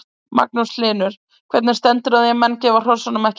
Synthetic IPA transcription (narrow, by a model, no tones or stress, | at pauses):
ma̰k̚nuslɪːnʏɾ̥ | kʰvɛɾt̪nɪɾ̥st̪ɛnt̪ʏɾaðjɛmɛnːcɛːvar̥ɔɾsanʏmɛhc